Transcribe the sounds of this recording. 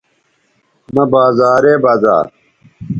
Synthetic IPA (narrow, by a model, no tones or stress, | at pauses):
nɐbaːzaːɾeːbaːza̰ːɾ